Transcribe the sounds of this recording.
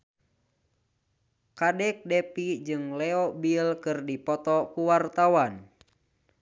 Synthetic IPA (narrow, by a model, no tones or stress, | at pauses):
kadɛk̚dɛpid͡ʒɨŋlɛɔbilkɨrdipɔt̪ɔkuwart̪awan